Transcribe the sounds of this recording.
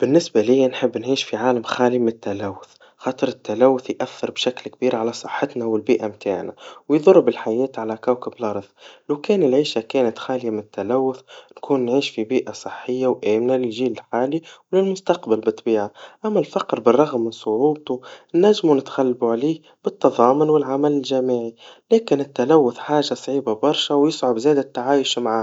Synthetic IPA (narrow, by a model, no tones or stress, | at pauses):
b̥ɪnːɪsbalɪjːanħɪbːnʕiːʃfiʕaːlamxaːlimɪnɪt̪ːalawːʊθ | xɑːt̪ˤɨɾɪt̪ːalæwːʊθjʔaθːɑɾˤbʃaklk̚biːɾʕalasˤɨħːɪt̪nawɪlbiːʔamt̪ʰaːʕna̰wjðˤʊrˤːbɪlħajɛːt̪ʕalækawkɪblɑɾˤðˤlakɛːnɪlʕiːʃakeːnat̪xaːlɪjamɪnɪt̪ːalæwːʊθnkuːnːʕiːʃfibiːʔasˤɨħːɪjːawʔæːmnalɪlʒiːlɪlħaːliwlɪlmʊst̪ɑqbalbɪt̪ˤbiːʕaʔæmːælfɑqɾbɪrˤːɑɣmːɪnsˤʊʕuːb̚t̪unːæʒːmunɪt̪xælːbuʕliːh | b̥ɪt̪ːɑðˤɑːmʊnwɪlʕamælɪlʒamiːʕilæːkɪnɪt̪ːalawːʊθħaːʒːasˤʕiːbabɑɾˤʃawjɪsʕʊbzæːd̪ɪt̪ːaʕaːjʊʃmaʕaː